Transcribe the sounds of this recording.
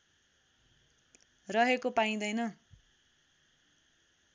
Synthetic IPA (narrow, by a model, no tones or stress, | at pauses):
rʌɦekopaĩd̪ʌjnʌ